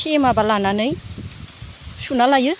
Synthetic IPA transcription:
emabalananɯj | sunalajɯ

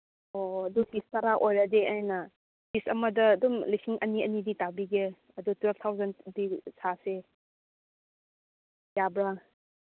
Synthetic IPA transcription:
oɐdukistɐɾaʔojɾɐdeʔajnɐ | pisɐmɐdɐːdumlisiŋʔɐ̰niɐ̰niditabiɡe | ɐdutwelpʰt̪ʰawzɐndisʰase | jabɾa

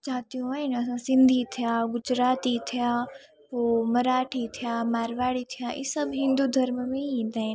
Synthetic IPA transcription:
d͡ʒaːt̪iũaːinɐs̬ãsɪ̃nd̪ʱit̪ʰijãːɡʊd͡ʒɾaːt̪it̪ʰijãː | pomɐɾaːʈʰit̪ʰijaːmaːɾʋaːɽit̪ʰijãːʔisəbɦɪ̃nd̪uːd̪ʱɐɾmmẽĩnd̪aːɪn

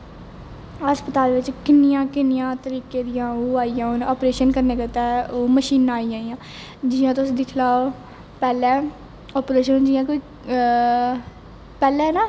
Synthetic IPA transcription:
əspət̪aːlʋɪt͡ʃkɪnɪjãːkɪnɪjãːt̪əɾiːkeːd̪ɪjãːoːaːijãːonɔːpɾeːʃənkəɾneːkət̪aːoːməʃiːnaːijãːijãː | d͡ʒɪjãːt̪ʊsiːd̪ɪkʰlaːo | pɛːlɛː | ɔːpɾeːʃənnd͡ʒɪjãːkoiː | pɛːlɛːnaː

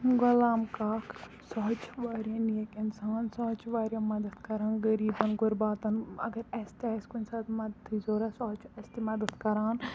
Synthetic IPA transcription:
ɡɐlaːmkaːk | sɔɦt͡ʃʰʋaːɾijɐ̃ːnijɐkɪnsaːnsɔːt͡ʃʰʋaːɾjɐ̃mɐd̪ɐt̪kɐɾaːnɡɐɾiːbɐnɡʊɾbaːt̪ɐnɐ̰ɡɐɾɐst̪iɐskunsaːt̪mɐd̪t̪ʰːizoːɾasɔːt͡ʃʰɐst̪imɐd̪ɐd̪kɐɾaːn

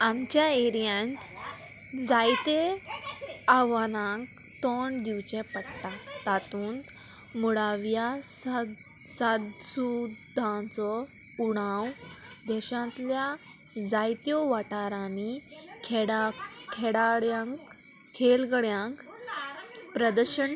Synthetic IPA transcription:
amt͡ɕjaeɾijant | d͡zajt̪e | aʋanãŋk | t̪ɔɳd̪iwt͡ɕɛ̃pət̪ːat̪at̪uːn | muɽaʋjas | sad̪sud̪ʱãt͡sɔuɽ̃ãwd̪ɛɕãt̪lja | d͡zajt̪jɔʋaʈaɾani | kʰɽa | kʰɛɽaɽjãk | kʰelɡɽjãŋk | pɾəd̪əɾɕən

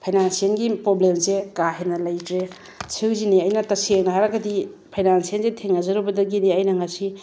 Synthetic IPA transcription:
pʰajnansienɡipɾoblemsekaɦenɐlɐjtɾe | t͡ʃʰiwziniɐjnɐtɐseŋ̚nɐɦaɾaɡɐdipʰajnansienzetʰeŋɐzɐɾubɐdɐɡiniɐjnɐŋɐsi

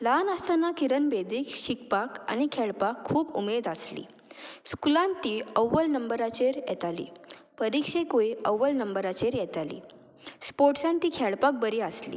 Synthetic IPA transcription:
lanəst̪anakiɾənbed̪ikɕikpaka̰ñikʰɛɭpakʰːuːbṵmed̪aslḭː | skulãnt̪iːəwːəlnəmbəɾat͡ɕeɾjɛ̰t̪alḭːpəɾikʂekoiəwːəlnəmbəɾat͡ɕeɾjɛt̪alḭː | spoʈsãnt̪iːkʰɛɭpak̚bəɾiaslḭː

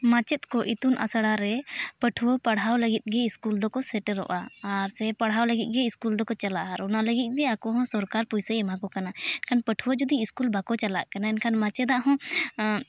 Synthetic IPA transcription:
mãt͡ʃɛt̪̚kɔʔit̪unʔa̰saɽaɾɛpəʈʰuwɔpaɽɦawləɡit̪̚ˀɡɛiskuld̪ɔkɔsɛʈɾɔ̰ʔaːɾsɛpaɽɦawləɡit̪̚ˀɡɛiskuld̪ɔkɔt͡ʃalaʔaɾɔnaləɡit̪̚ˀɡɛakɔɦɔ̃sɔɾkaɾpujsəɛmakɔkanaɛnkʰanpəʈʰuwɔd͡ʒɔd̪iiskulbakɔt͡ʃalaʔkanaɛnkʰanmat͡ʃɛd̪aʔɦɔ̃

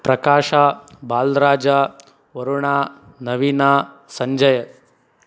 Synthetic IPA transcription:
pɾɐkaːʃaːbaːlɾaːd͡ʒaː | ʋɐɾuɳaː | nɐʋinaːsɐɲd͡ʒɐjɐ

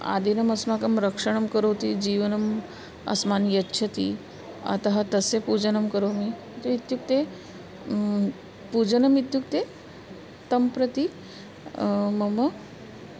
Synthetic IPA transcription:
a̰d̪ʱinɐmɐsmakɐmɾəkʂəɳɐmkəɾəwt̪id͡ʑiːʋənɐm | ɐ̰smanjɐtːɕʰɐt̪ḭ | ɐ̰t̪ɐɦat̪ɐsepud͡ʒənɐmkəɾowmi | t̪oit̪juk̚t̪e | pud͡ʒənɐmit̪juk̚t̪e | t̪ɐmpɾət̪i | mɐmə

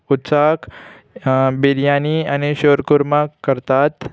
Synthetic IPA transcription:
ʊt̪saːk | biɾjaːniɐneɕoːɾkuɾmakəɾt̪aːt̪

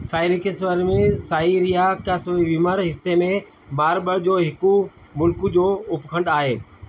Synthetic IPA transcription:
saːɪɾikʰesʋəɾmẽsaːiɾijakasiʋiməɾɦɪsːemẽ | baːɾbəɽd͡ʑoːɦɪku | mʊlkud͡ʑoːʊpkʰə̃ɳɖaːɦeː

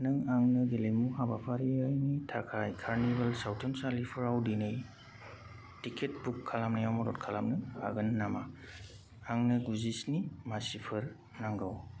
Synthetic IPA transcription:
nɯŋaŋnɯɡelemuhabapʰaɾiajnitʰakʰajkʰaɾnibɐlsawtʰemsalipʰɯɾawdinɯj | tikʰet̚bukʰːalamnɯjawmɔɾɔt̚kʰalamnɯha̰ɡɯnnːama̰ | aŋnɯɡuzisnimasipʰɯɾ | naŋɡaw

